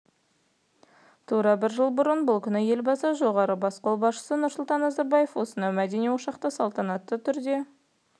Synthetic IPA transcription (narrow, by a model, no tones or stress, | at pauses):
t̪ʰuɾɑbɪɾʒəlˠbʊɾənbʊlˠkʲʰʏnɪje̞lbɑsəʒo̞ʁɑɾəbɑsqo̞lˠbɑsʃə̥sənʊɾsʊlˠt̪ɑnːɑzɑɾbɑje̞fwo̞sənɑwmæd̪e̞nijwoʃɑqt̪ɑsɑlˠt̪ɑnɑt̪ːət̪ʰʏɾd̪e̞